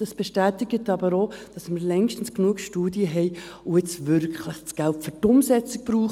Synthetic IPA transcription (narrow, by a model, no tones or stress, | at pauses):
ɑsb̥eʃtæːtɪɡətɑbəɾoːd̥ɑsməɾlɛŋʃtən̩sknuəkʃtuːdiəɦɛjʊɪt͡sʋʏɾkχləχt͡sɡ̥æltfʏɾtʊmsɛt͡sɪk̚b̥ɾuːχ